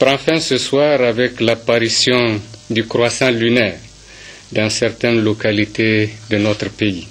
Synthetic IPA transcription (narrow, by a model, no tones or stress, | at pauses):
pɾãfɛ̃səswaɾavɛklapaɾisjɔ̃d̪ykɾwasãlynɛːʁ | d̪ãsɛɾt̪ɛnlokalit̪ed̪ənɔt̪ɾpei